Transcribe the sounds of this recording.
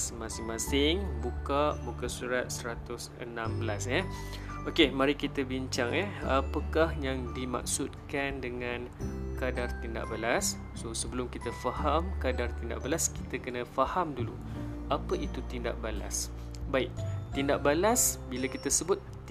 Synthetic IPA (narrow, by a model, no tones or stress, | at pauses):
smãsɪŋmãsɪŋbukaʔbukasuɾat̪̚səɾat̪ʊsə̰nãmbəlasjə | okemaɾikit̪əbiɲt͡ʃaŋɛapəkahjaŋdima̰k̚sut̪̚kandəŋãn | kadart̪inda̰ʔbəlas | sosəbəlʊmkit̪əfahamkadart̪inda̰ʔbəlaski̥t̪əkənə̃fahamdulu | apəʔit̪ut̪inda̰ʔ̚bala̰s | baɪk̚t̪indaʔ̚balasbiləkit̪əsəbʊt̪̚ː